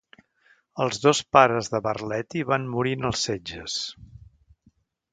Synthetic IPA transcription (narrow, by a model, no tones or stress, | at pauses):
əlˠzðospaɾəzðəβərlɛt̪iβanmuɾinəlˠsed͡ʒəs